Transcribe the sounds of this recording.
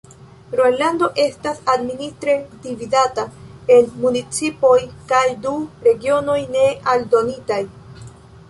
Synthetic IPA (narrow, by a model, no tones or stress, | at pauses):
ɾo̞jlando̞ʔe̞stasadministɾe̞dividatae̞nmunit͡sipo̞jkajduɾe̞ɡio̞no̞jne̞aldo̞nitaj